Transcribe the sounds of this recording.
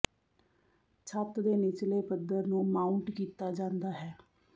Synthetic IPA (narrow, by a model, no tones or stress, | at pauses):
t͡ʃʰət̪d̪eːnɪt͡ʃleːpəd̪əɾnũːmaːʊɳʈkiːt̪aːd͡ʒãːnd̪aːɦɛː